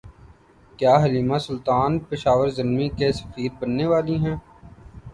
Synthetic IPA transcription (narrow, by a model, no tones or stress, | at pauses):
kjaːɦɐliːmasʊlt̪aːnpɪʃaːʋəɾzɪlmikesɐ̥fiːɾ̚bɐnːeʋaːliɦɛ̃ː